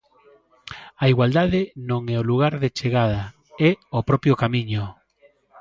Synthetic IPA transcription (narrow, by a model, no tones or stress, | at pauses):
aiɣwald̪aðɪnõŋɛoluɣaɾðet͡ʃeɣað̞ɐ | ɛopɾɔpɾjokamiɲʊ